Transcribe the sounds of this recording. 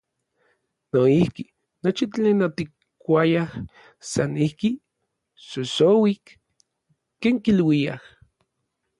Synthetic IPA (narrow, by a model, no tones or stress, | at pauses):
noihki | not͡ʃit̪eːnot̪ik | kːʷajah | sanihki | sosowikː | eːŋkilwia̰h